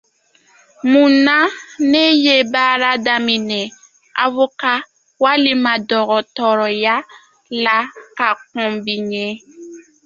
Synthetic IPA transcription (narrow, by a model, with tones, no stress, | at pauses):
mũ˨na˦ne˦je˦baː˦ɾa˦da˨mĩ˨nɛ˨ | a̰˨vo˦ka˦ | wa˦li˦ma˨dɔ˨ɣɔ˨tɔ˨ɾɔ˨ja˦ | la˦ka˨kɔ̃˨bi˨ɲe˦